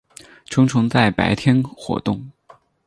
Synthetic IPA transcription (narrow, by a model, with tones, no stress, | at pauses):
ʈ͡ʂʰɤ˥ŋʈ͡ʂʰɤ˧˥ŋt͡sa˥˩ɪpa̰˧˥ɪt̪ʰjɛ˥nxwɔ̰˧˥t̪ʊ˥˩ŋ